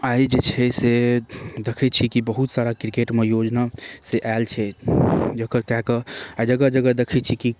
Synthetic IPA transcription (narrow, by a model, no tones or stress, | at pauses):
aid͡ʒet͡ʃʰɛsed̪ekʰɛt͡ʃʰikibəɦut̪saɾakɾikeʈmejod͡ʒnaseʔalt͡ʃʰɛ | d͡ʒəkəɾkɛɦkəad͡ʒəɡəd͡ʒəɡəd̪ekʰɛt͡ʃʰiki